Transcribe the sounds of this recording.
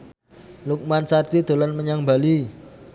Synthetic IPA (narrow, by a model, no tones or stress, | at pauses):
luk̚mansart̪id̪̥o̤lanməɲaŋbali